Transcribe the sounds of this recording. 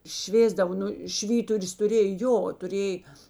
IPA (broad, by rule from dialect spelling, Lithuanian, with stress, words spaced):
ˈʃʲʋʲeːzdɐʋoː ˈnʊ ˈʃʲʋʲiːtʊrʲʊs tʊˈrʲeːj ˈjoː tʊˈrʲeːj